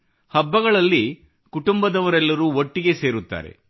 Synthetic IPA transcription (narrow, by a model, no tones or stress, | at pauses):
hɐbːɐɡɐɭɐlːi | kuʈumbɐd̪ɐʋɐɾɛlːɐɾuoʈːiɡe̞se̞ːɾut̪ːa̰ːɾe̞̰